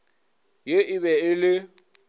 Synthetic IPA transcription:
jeʔɪβɛɪlɪ

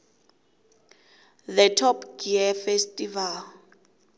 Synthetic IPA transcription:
ðɛtʰɔpɡiɛfestʼival

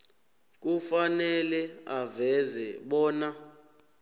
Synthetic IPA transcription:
k̬ʼufanɛlɛavɛzɛɓɔːna

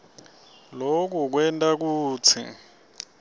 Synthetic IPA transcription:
lok̬uk̬wɛntʼak̬uːt͡sʰḭ

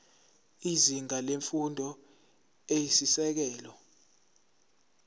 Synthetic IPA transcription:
iziŋaleɱfundʱɔ | ejisisɛk̬ɛːlɔ

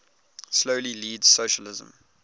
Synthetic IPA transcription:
sloʊliliːdz̥soʊʃəlɪzə̰̃m

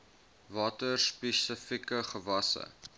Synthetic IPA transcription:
vɑːtərspɛsəfikəχəvɐsə̰

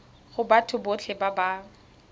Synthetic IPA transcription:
χʊbatʰʊbot͡ɬʰɪbaba

